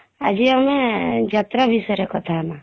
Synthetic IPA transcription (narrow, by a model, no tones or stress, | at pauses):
a̰d͡ʒiamed͡ʒat̪ɾabʱisɔɾekɔt̪ʰama